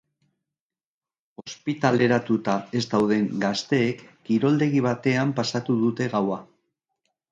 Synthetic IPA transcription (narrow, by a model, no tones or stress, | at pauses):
o̞spit̪ale̞ɾat̪ut̪ae̞zd̪awðe̞ŋɡast̪e̞ːkːiɾo̞ld̪e̞ɣiβ̞at̪e̞ampasat̪uðut̪e̞ɣawa